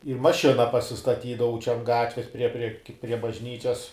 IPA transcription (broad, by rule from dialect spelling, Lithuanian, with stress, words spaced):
ɪr mɐˈʃʲɪnɐ pɐsʲɪstɐˈtʲiːdɐʋɐʊ t͡ʃʲɛ ɐn ˈɡɑːtʲʋʲɛs pʲrʲiɛ pʲrʲiɛ kʲɪ pʲrʲiɛ bɐʒʲˈnʲiːt͡ʃʲɛs